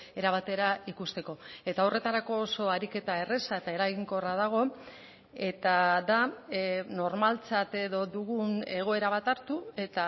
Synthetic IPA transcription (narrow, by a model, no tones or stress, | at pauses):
e̞ɾaβat̪e̞ɾaikust̪e̞ko̞e̞t̪aore̞t̪aɾako̞ːso̞aɾike̞t̪ae̞re̞sae̞t̪ae̞ɾaɣiŋko̞rað̞aɣ̞o̞ | e̞t̪aða | no̞ɾmalt͡sat̪e̞ðo̞ðuɣ̞une̞ɣ̞o̞e̞ɾaβat̪aɾt̪ue̞t̪a